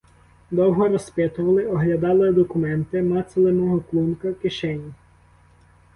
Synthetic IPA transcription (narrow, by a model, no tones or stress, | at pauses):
d̪ɔwɦɔɾɔspɛt̪ʊʋɐlˠɪɔɦlʲɐd̪ɑlˠɪd̪ɔkʊmɛnt̪ɪmɑt̪selˠɪnɔɦɔklˠunkɐkɪʃɛnʲi